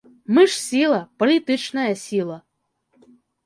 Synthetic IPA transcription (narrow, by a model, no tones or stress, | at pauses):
mɨʂsʲilˠɐpɔlʲit̪ɨt͡ʃnɐjɐsʲilˠɐ